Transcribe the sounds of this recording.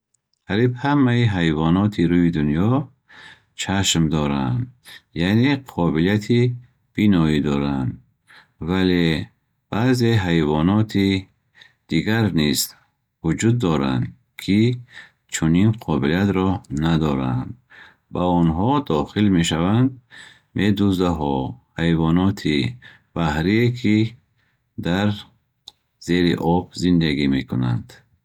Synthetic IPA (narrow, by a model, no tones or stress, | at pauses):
haɾibhamːaiɦajvɔnɔt̪ʰiɾuid̪unjɔ | t͡ʃʰaʃmd̪ɔɾa̰nd̪janeqʰɔbilijat̪ʰi | b̥inɔid̪ɔɾand̪ | vale | b̥aze̞ɦajvɔnɔt̪ʰi | d̪̥iɡaɾnist̪ | vud͡ʒud̪ːɔɾa̰nd̪ | kʰi | t͡ʃʰuninqʰɔbiliat̪ɾɔnad̪ɔɾa̰nd̪ | baɔnɦɔd̪ɔχilmeʃavand̪ | mʔed̪uzd̪aɦɔhajvɔnɔt̪ʰi | b̥ahɾiekʰi | d̪aɾ | z̥e̞ɾḭʔɔbzind̪aɡimekʰuna̰nd̪̥